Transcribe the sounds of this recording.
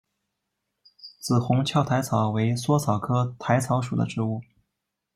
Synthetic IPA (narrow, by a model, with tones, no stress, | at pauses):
t͡sɹ̩˨˩xʊ˧˥ŋt͡ɕʰjɑ˥˩ʊt̪ʰa˧˥ɪt͡sʰɑ˨˩ʊwe˧˥ɪswɔ˥t͡sʰɑ˨˩ʊkʰɤ˥t̪ʰa˧˥ɪt͡sʰɑ˧˥ʊʂu˨˩d̪ə̰˦ʈ͡ʂɻ̩˧˥u˥˩